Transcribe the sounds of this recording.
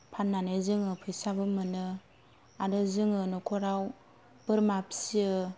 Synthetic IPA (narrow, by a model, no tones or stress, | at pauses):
pʰannːanezɯŋɯpʰɯjsabɯmɯnɯ | adɯzɯŋɯnɔkʰɔɾaw | b̥ɯɾmap̚siɯ